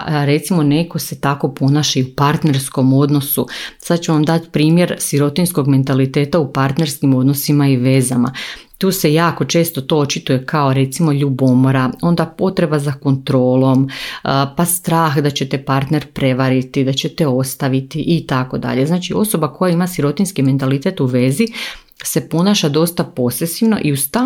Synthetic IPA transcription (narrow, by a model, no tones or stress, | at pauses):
ɾe̞t̪simo̞ne̞ko̞se̞t̪ako̞po̞naːʃeiupaɾt̪ne̞ɾsko̞mo̞d̪no̞susad̪t͡ʃuʋamd̪at̪pɾiːmje̞ɾsiɾo̞t̪insko̞ɡme̞nt̪alit̪e̞ːt̪aupaɾt̪ne̞ɾskimo̞d̪no̞simaiʋe̞zama̰t̪uːse̞jaːko̞t͡ʃe̞ːst̪o̞t̪o̞ot͡ʃit̪uje̞kao̞ɾe̞t̪simo̞ʎubo̞moɾao̞nd̪apo̞t̪ɾe̞bazako̞nt̪ɾo̞ːlˠo̞m | past̪ɾaːxd̪at͡ɕe̞t̪epaɾt̪ne̞ɾpɾe̞ʋaɾit̪id̪at͡ɕe̞t̪eo̞st̪aʋit̪iʔit̪ako̞d̪a̰ʎe̞znaːt͡ʃio̞so̞bako̞jaimasiɾo̞t̪inskime̞nt̪alit̪e̞t̪uʋe̞zi | se̞po̞naːʃad̪o̞st̪apo̞sesiʋno̞̰ʔiust̪a